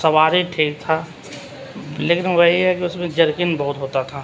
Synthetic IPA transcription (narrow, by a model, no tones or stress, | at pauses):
sɐʋaːɾiʈʰiːk̚t̪ʰa | leːkɪnʋɐɦiɦɛkiʊsmẽd͡ʒɐɾkɪnbɐɦʊt̪ɦoːt̪at̪ʰaː